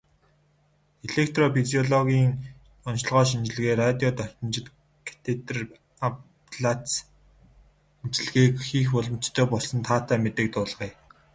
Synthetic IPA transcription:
eɮekʰt̪rɔpʰiziɔɮɔɣʲiːŋ | ɔnʃ̆ɮʁœːʃ̬int͡ɕɪ̆ɮ̆ɣeːrat̪ʲjɔt̪œr̥ʲt̪ɞ̆nt͡ɕɪ̆t̪ | kʰḁt̪ʰet̪r | ap | ɮat͡s | mt͡ɕɪ̆ɮɣeːkxiːxpʊɮɞ̆m̥t͡ɕt̪ʰːœːpɔɮsɞ̆nt̪ʰaːt̪ʰæːmet̪ɘ̆k̚t̪ʊːɮʁiː

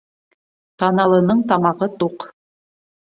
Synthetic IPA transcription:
t̪ɑnɑlˠɤ̆nɤɴt̪ɑmɑʁɤt̪uq

